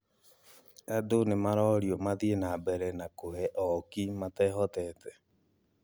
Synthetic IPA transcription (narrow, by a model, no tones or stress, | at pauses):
adonemaɾɔɾiɔmaðienabɛɾɛnakohɛʔɔkimatɛɦɔtɛtɛ